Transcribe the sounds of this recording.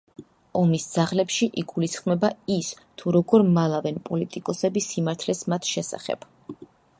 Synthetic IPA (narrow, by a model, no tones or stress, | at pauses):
ɔmisd̪z̥aʁlɛpʃiʔiɡulisχmɛbais | t̪ʰuɾɔɡɔɾmalˠavɛnpʼɔlit̪ʼikʼɔsɛbisimaɾt̪ʰlɛsmat̪ʰʃɛsa̰χɛ̰b̥